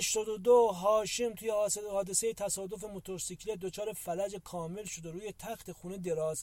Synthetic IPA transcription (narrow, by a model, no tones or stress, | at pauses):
æʃt̪ɒːd̪od̪oɦɒːʃemt̪ʰuːjehɒːd̪esejet̪ʰæsɒːd̪o̞femot̪ʰoɾsicʰled̪o̞t͡ʃʰɒːɾefælæd͡ʒekʰɒːme̞lʃod̪eɾuːjet̪ʰæxt̪e̞xuːned̪e̞ɾɒːz̥